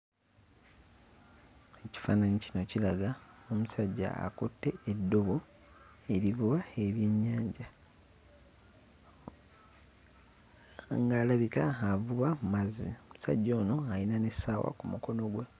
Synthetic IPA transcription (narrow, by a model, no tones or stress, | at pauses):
e̞ci̥fa̰ːnanicino̞cilaɡao̞musaɟːa̰a̰kutːe̞edːo̞βo̞ | e̞ɾiɡuβaeβje̞ɲːaːɲɟa | ŋɡaːlaβikaːvuβamumazḭomusa̰ɟːo̞ːno̞ajinane̞saːwa̰kumuko̞no̞ɡwe̞